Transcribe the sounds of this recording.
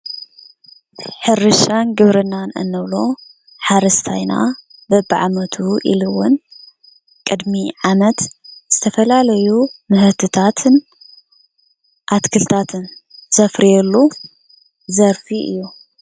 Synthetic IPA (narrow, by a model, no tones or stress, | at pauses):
ħɨɾɨʃanɡɨβɾɨnanɨ̰nːɨβlo | ħaɾɐst̪ʰajna̰ | bɨbaʕamɐt̪ʰuʔḭlɨwʊn | kʼɨd̪miʕamɐt̪z̥ɨt̪ʰɐfɐlalɐjumɨhɨt̪ʰɨt̪ʰat̪ʰɨn | ʔat̪kʰɨlt̪ʰat̪ʰɨnz̥ɐfɾijɛlːu | zɐɾfiʔɨ̰jːu